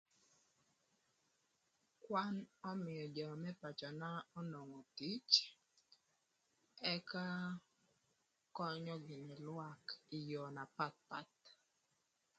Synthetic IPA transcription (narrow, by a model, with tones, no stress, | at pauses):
kwa˦nɔ˦mɪ˨ɔ˨d͡ʒɔ˨mɛ˦pa˨t͡ʃɔ˨na˦ɔ˦nɔ˨ŋɔ˨ti˦t͡ʃ | ɛ˦ka˦ | kɔ˦ɲɔ˦ɡɪ˨ni˨lwa˦kɪ˨jɔ˨na˨pa˦t̪̚pa̰˨t̪̚